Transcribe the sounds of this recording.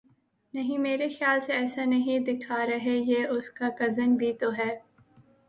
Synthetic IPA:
nɐɦĩmeːɾexjaːlseɛːsanɐɦĩd̪ɪkʰaɾɐɦejeʊskakɐzənbʱit̪oɦɛː

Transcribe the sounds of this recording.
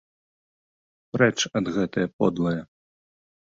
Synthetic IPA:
ɾɛt͡ʂɐd̪ɣɛt̪ɐjɐpɔd̪lˠɐjɐ

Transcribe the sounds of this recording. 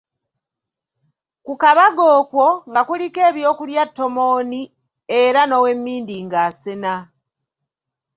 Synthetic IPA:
kukaβaɡo̞ːkwo̞ŋɡakulike̞ːβjo̞ːkuljatːo̞mo̞ːni | e̞ɾano̞we̞mːiːndiŋɡaːsena

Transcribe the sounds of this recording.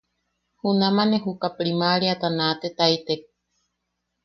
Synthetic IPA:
hunamaneɦukapɾimaɾiat̪anat̪et̪ajt̪e

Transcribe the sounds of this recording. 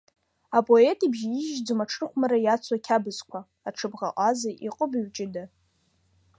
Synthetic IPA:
apʼo̞e̞tʼibʒiʒd͡zɨmaʈ͡ʂʰrχʷmaɾajat͡sʰakʲʰabɨzkʷʰa | aʈ͡ʂʰɨbʁa̰ʔʼazaʔiqʼəbiɥt͡ʃʼɪdɨ

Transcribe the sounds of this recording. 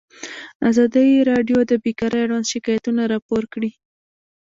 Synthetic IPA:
azɑd̪əjɾɑɖjod̪əbekɑɾəjaɽwand̪ʃɪkɑjat̪unaɾɑpoɾkɽi

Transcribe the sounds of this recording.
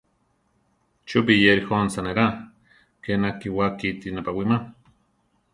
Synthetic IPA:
t͡ʃup̬ijeɾixonsaneɾa | kenakiwakit̪inapawima

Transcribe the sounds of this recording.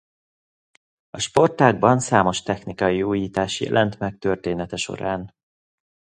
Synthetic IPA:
ɒʃpo̞rt̪aːɡ̚bɒnsaːmo̞ʃt̪ɛxnikɒjiuːjiːt̪aːʃjɛ̰lʔɛnt̪mɛk̚t̪ørt̪eːnɛt̪ɛʃo̞̰ɾaːn

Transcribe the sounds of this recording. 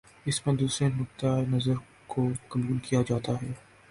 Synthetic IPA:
ɪsmẽd̪uːsɾenʊk̚t̪aːenɐzəɾ | kokɐmuːlkijad͡ʒaːt̪aɦɛː

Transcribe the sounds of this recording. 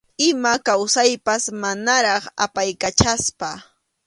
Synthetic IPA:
ɪmakawsajpasmanaɾɑχa̰pajkat͡ʃaspa

